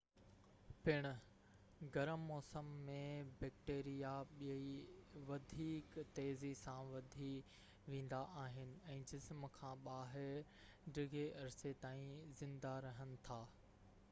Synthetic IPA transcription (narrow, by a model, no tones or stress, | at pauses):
pɪɽ̃ʊ̆ | ɡɐɾəmːɔːsəmːẽbɛːk̚ʈeːɾijaɓijiʋɐd̪ʱiːkt̪eːzisãʋɐd̪ʱi | ʋẽːn̆d̪aʔaːɦɪnɪ̆ɛ̃ːd͡ʑɪsmkʰãːɓaːɦɪɾ | ɖɪɡeʔɐɾɪset̪aːĩzɪ̃nd̪aɾɐɦənɪ̆t̪ʰaː